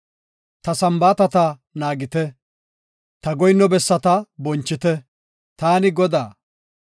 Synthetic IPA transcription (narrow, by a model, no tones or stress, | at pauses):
t̪ɐsɐmbaːt̪ɐt̪ɐnaːɡɪt̪ɛ | t̪ɐɡɔjnːɔbɛsːɐt̪ɐbɔnt͡ʃːɪt̪ɛ | t̪aːnɪɡɔd̪aː